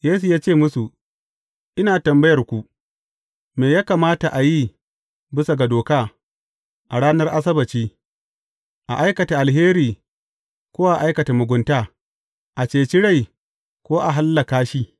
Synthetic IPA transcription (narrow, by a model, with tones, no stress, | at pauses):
jeː˦su˨jaː˦t͡ʃeː˦˨mʊ˦su˨ | ʔɪ˦naː˨tɐ˨mbɐ˦jɐ˨rkʷu˨ | meː˨jaː˦kaː˨maː˦ta˨ʔa˨ji˦ | bɪ˦sa˨ɡa˨doː˨kaː˦ | ʔa˨ɽaː˦nɐ˦rʔa˦s̬ɐ˦bɐ˨t͡ʃiː˦ | ʔa˨ʔa˦jkɐ˨ta˨ʔa˨lɦeː˦ɾiː˨ | kʷoː˦wa˦ʔa˨ʔa˦jkɐ˨ta˨mʊ˨ɡʷʊ˦ntaː˦ | ʔa˨t͡ʃeː˨t͡ʃɪ˦ɽa˦˨j | kʷoː˦ʔa˨ɦa˦lːa˨kaː˦ʃiː˦